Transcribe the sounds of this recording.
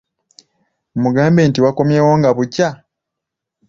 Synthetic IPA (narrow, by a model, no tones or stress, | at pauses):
muɡaːmbeːntiwako̞mjeːwoːŋɡaβuca